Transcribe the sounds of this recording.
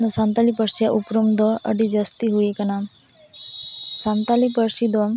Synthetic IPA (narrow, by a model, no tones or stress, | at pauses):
nəsant̪alipəɾsjaʔupɾumd̪ɔə̰ɖid͡ʒəst̪iɦuikənam | sant̪alipəɾsid̪ɔm